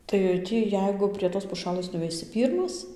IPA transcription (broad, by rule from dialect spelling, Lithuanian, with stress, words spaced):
tɐɪ ˈtʲiː ˈjɛɪɡʊ pʲrʲiɛ toːs pʊˈʃɑːlˠɘs nʊʋʲɛɪˈsʲɪ ˈpʲiːrmɐs